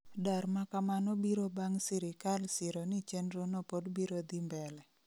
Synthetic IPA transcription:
darmakamanɔbiɾobaŋsiɾɪkalsiɾonit͡ʃɛndɾɔnɔpɔdbiɾod̪imbɛlɛ

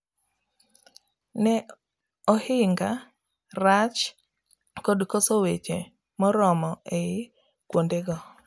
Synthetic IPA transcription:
nɛ | ɔhɪŋɡa | rat͡ʃ | kodkosowet͡ʃe | mɔɾɔmɔʔeɪ | kwondeɡɔ

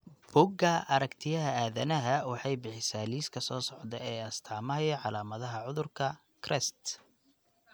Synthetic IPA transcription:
b̥ʊɡɐʔɐɾɐkt̪ʰɪjɐɦɐaːðɐnɐɦɐwɑħɑjbɪħɪsaːliːskʰɐsɔːsɔʕd̪ɛɛːɐst̪ʰaːmɐjɔʕɑlaːmɐðɐɦɐʕʊðʊrkʰɐ | kʰrɛst̪

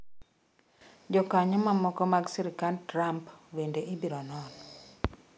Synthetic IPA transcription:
d͡ʒɔkaɲɔmamɔkɔmaɡsiɾikantɾampwendeʔibiɾɔnɔn

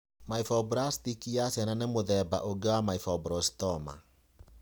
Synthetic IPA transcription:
maifɔbɾast̪ikijasɛnanemoðɛba̰ʔoɡewamaifɔbɾɔstɔma̰

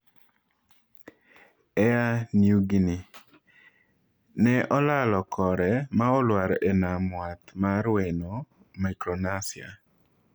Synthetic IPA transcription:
ɛaniuɡini | nɛʔɔlalɔkʰɔɾɛmaɔlwaɾenamwat̪maɾweno | makɾonasɪa̰

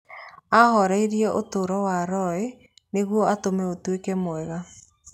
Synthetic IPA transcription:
ahɔɾaiɾjɛʔotoɾɔwaɾɔe | neɣwɔatomɛotwekɛmoɛɣa

